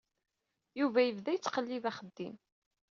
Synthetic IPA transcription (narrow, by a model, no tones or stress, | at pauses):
juvæjəvðæjət͡sːqəlːiðæχəd̪ːḭm